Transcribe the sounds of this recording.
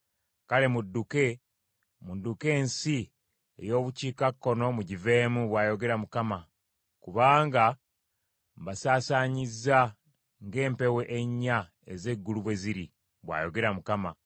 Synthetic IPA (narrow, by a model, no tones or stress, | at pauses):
kale̞mudːuke | mudːuke̞ːnsi | ḛjo̞ːβuciːkakːo̞no̞muɟive̞ːmuβwaːjo̞ɡe̞ɾamukama | kuβaːŋɡa | mbasaːsaːɲizːa | ŋɡe̞ːmpe̞weʔːɲːa | ḛze̞ɡːuluβwe̞ziɾi | βwa̰ːjo̞ɡe̞ɾamukama